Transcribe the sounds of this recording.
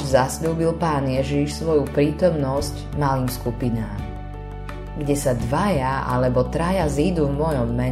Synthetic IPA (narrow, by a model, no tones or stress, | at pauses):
zasʎuːbilpaːnjɛʒiʃsʋɔjupɾiːt̪ɔmnɔsc | maliːmskupinaːm | ɡɟɛsad̪ʋajaa̰lɛbɔt̪ɾajazid̪uvmɔjɔmːɛ